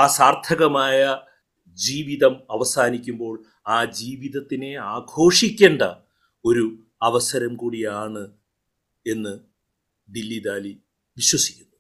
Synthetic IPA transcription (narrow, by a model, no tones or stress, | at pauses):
aːsaːrt̪ʰɐɣɐmaːjɐ | d͡ʑiːʋiðɐmɐʋɐsaːnikʲːumbo̞ːɭ | aːd͡ʑiːʋiðɐt̪ːine̞aːɡʱo̞ːʂikʲːe̞ːɳɖɐ | o̞ɾu | ɐʋɐsɐɾɐmkuːɽijaːɳɨ | e̞nːɨ | d̪ilːid̪aːli | ʋiɕwɐsi̥kʲːu̥nːu